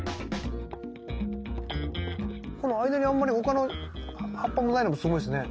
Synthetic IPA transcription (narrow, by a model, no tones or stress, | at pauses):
ko̞no̞aid̪aɲ̟iãmːaɾʲiho̞kano | hapːamonainomosɨɡo̞isɨne̞